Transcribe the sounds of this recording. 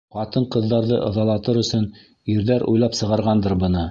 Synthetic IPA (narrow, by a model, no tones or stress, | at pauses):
qɑt̪ɤɴqɤ̆ðːɑɾðɤʔɤ̆ðɑlˠɑt̪ɤɾɵ̆sɵn | iɾðæɾʔṵjlˠɑpsɤ̆ʁɑɾʁɑnd̪ɤɾbɤ̆nɤ